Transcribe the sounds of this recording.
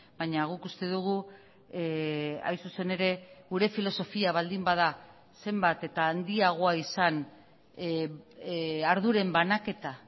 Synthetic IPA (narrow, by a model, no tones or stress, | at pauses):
bajɲaɣ̞ukust̪e̞ðuɣ̞u | a̰jsuse̞ne̞ɾe̞ɣuɾe̞filo̞so̞fiaβald̪imbað̞a | se̞mbat̪e̞t̪aːnd̪iaɣ̞oaisan | aɾðuɾe̞mbanake̞t̪a